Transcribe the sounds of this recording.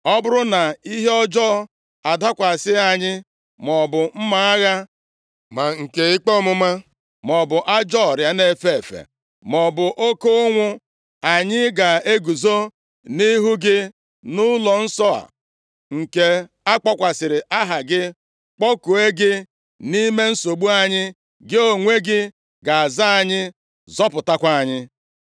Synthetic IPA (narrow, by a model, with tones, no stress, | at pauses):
ɔ˦bʊ˦ɾʊ˦na˨i˦ɦe˦ɔ˦d͡ʒɔː˦ | a˨da˦kʷa˨sɪ˦a˨ɲɪ˦ | mɔ˨bʊ˨m̩˦ma˦a˦ɣa˦ | ma˨ŋ̩˨ke˨ɪ˦k͡pɔ˦mʊ˦ma˦ | mɔ˨bʊ˨ʔa˦d͡ʒɔ˦ɔ˨ɾja˦ne˦˨fe˦˨e˨fḛ˨ | mɔ˨bʊ˨ʔo˦ko˦ŋʷʊ˦ | a˨ɲɪ˦ɡa˨e˦ɡu˨zo˦ | ni˦ɦu˦ɡɪ˦ | nʊ˦lɔ˨n̩˦sɔ˦a̰˨ | ŋ̩˨ke˦ | a˦k͡pɔ˦kʷa˨sɪ˨ɾɪ˨ʔa˦ɦa˨ɡɪ˦ | k͡pɔ˦ku˨e˦ɡɪ˦ | ni˦me˦n̩˦so˨ɡ͡bu˦a˨ɲɪ˦ | ɡɪ˦o˨ŋʷe˦ɡɪ˦ | ɡa˨a˨za˦a˨ɲɪ˦ | zɔ˦pʊ˨ta˦kʷa˦a˨ɲɪ˦